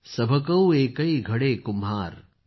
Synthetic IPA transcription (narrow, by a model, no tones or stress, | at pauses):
sɐbʱɐkɐweːkɐiɡʱɐɽeːkumɦaːɾ